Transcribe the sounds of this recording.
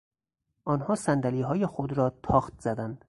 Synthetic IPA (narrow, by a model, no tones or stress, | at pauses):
ʔɒːnhɒːsænd̪æliːɦɒːjexod̪ɾɒːt̪ʰɒːxt̪̚z̥æd̪ænd̪̥